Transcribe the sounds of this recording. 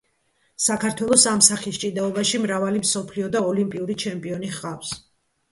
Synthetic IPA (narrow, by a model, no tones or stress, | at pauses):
sakʰaɾt̪ʰwɛlˠɔsamsaχist͡ʃʼid̪aɔbaʃimɾavalimsɔpʰliɔd̪aɔlimpʼiuɾit͡ʃʰɛmpʼiɔniχqʼafs